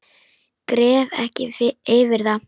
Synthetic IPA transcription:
kɾɛːvɛ̰hcɪeːvɪɾða

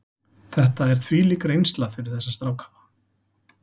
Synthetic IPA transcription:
θɛht̪aɛɾ̥θʰviːliːkɾejnst̪lafɪɾɪɾ̥θɛsːast̪ɾaːwkhavḁ

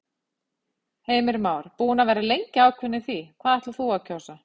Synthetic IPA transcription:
heːjmɪɾmaːwɾ̥puːnavɛːɾɪlejɲcɪaːwkʰvʏnːɪθikʰv̥aːðɛht̪uɾθuawcʰowsa

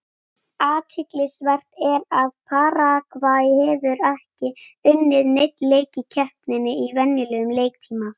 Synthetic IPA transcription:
aːt̪ʰɪk̪lɪsvɛr̥t̪ɛɾaðpʰaːɾakvaːjhɛvʏɾɛhcɪʏnːɪðnejt̪leːjcɪcʰɛhpnɪnːɪivɛnːjɪlɛːɣʏmleːjk̚t̪ʰiːma

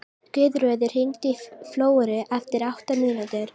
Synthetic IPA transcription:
kʏːðɾœːðɪɾ̥hiŋt̪ifloːwɛɾɪʔɛft̪ɪɾawht̪amiːnat̪ɪɾ̥

